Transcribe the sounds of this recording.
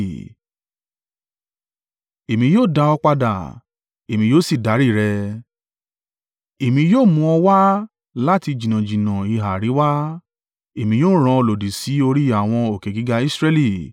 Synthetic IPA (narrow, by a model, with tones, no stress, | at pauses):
e˨mĩ˧joː˦˨da˧ɔ˧k͡pa˧da̰˨ | e˨mĩ˧˦joː˦˨si˦˨da˨˦ɾi˦˨ɾɛ˧ | e˨mĩ˧joː˦˨mũ˧˦ɔ˧wa˦ | la˦ti˧d͡ʒĩ˨nã˨d͡ʒĩ˨nã˨i˨ɦa˨ɾi˨˦wa˦ | e˨mĩ˧˦joː˦ɾ̃ã˧o˧lo˨di˨si˨˦o˧ɾi˦a˦˨w̃ɔ̃˧o˨ke˨ɡi˨˦ɡa˧i˦sɾɛ˧li˦˨